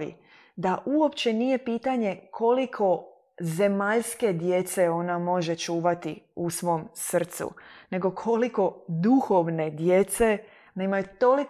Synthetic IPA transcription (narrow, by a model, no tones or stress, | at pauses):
ḭ | d̪aʔuo̞pt͡ɕe̞nije̞piːt̪aɲe̞kʰo̞likʰo̞ | ze̞maʎske̞d̪je̞t̪seo̞namo̞ʒe̞t͡ʃuːʋat̪iusʋo̞msr̩t̪sṵne̞ɡo̞kʰo̞liko̞d̪uxoʋne̞d̪je̞t̪se̞ | neimajut̪o̞lik